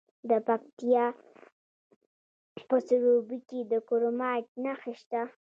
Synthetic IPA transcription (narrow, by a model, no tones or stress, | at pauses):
d̪əpak̚t̪ijɑ | pəsʊɾobiked̪əkoɾomɑʈ̚naxiʃt̪a